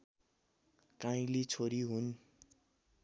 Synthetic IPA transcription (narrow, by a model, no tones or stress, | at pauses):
kaĩlit͡sʰoɾiɦun